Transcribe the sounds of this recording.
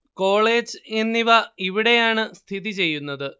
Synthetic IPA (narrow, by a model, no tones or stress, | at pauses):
ko̞ːɭe̞ːd͡ʑɨenːiʋɐiʋiɽe̞jaːɳɨst̪ʰiðit͡ɕe̞jːunːɐðɨ